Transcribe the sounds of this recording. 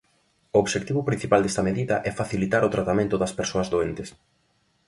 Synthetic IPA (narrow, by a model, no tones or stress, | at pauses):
ʊoβʃek̚t̪iβʊpɾĩn̟θipald̪est̪ɐmeðiðɐʔɛfaθilit̪aɾʊt̪ɾat̪amẽnt̪ʊðɐspeɾsoɐzðoent̪ɪs